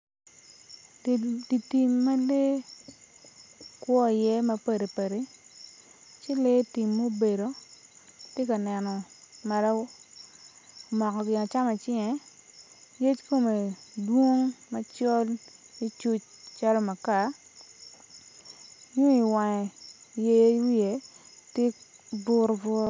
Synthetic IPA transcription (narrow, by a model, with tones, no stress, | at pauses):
di˨ti˨mːa˦le˦ | kwɔ˦˨jɛ˦mɐ˦pe˨ɾe˨pe˨ɾe˦ | t͡ʃɪ˦le˦ti˨mːo˦be˨ɾo˨ | tje˦ka˨nɛ˨nɔ˨ma˨ɾa˦˨ | mɔ˨kɔ˨ɡɪ˨a˨t͡ʃa˦mɛ˨t͡ʃi˦ŋɛ˨˦ | je˦t͡ʃko˨me˨dwo˦ŋma˨t͡ʃɔ˦li˦t͡ʃu˦t͡ʃt͡ʃa˦lo˦ma˨ka˨ | ju˦i˨wa˨ɛ˨je˦we˨tje˦bʊ˨ɾbɔ˦